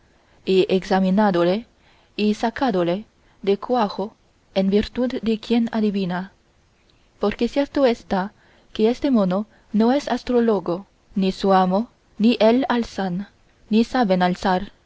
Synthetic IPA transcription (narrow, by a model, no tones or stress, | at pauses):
ieɡsaminad̪ole | isakad̪ole | d̪ekwaɣo | enbiɾt̪ud̪ːekjenaðiβina | poɾkesjeɾt̪oest̪a | keest̪emono | noesast̪ɾoloɡo | nisuamo | niʔelalsanː | isaβenalsaɾ